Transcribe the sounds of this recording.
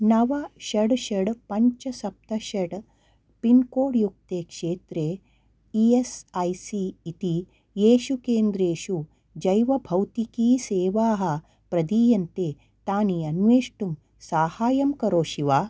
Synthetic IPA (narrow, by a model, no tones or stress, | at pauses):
nɐʋɐʃɐɖʃɐɽpɐɲt͡ʃɐsɐp̚t̪ɐʃɐɽ | pinkoːɽjuk̚t̪eːkʂeːt̪ɾeː | iesɐjsiːt̪i | jeːʃukeːnd̪ɾeːʃu | d͡ʒɐjʋɐbʱɐwt̪ikiːseːʋaːɦɐ̆ | pɾɐd̪iːjɐnt̪eː | t̪aːnijɐnʋeːʂʈum | saːhaːjɐmkɐɾoːʃiʋaː